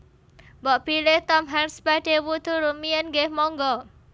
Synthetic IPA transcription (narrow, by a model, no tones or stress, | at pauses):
bɔʔpilet̪ɔmɦansbɛdewut̪uɾumiənɡemɔŋɡɔ